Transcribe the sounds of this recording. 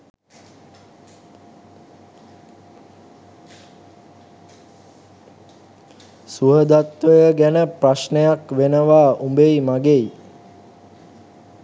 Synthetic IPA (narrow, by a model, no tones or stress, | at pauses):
suɦəd̪at̪ʋəjəɡænəpraʃnejakʋenəʋaːumbejmaɡej